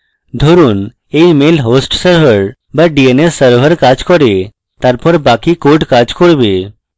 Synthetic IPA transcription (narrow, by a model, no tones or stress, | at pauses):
d̪ʱoɾun | ejmelɦosʈsəɾbəɾ | baɖienesːəɾbʱəɾkad͡ʒkɔɾe | t̪aɾpɔɾbakikoʈkad͡ʒkoɽbe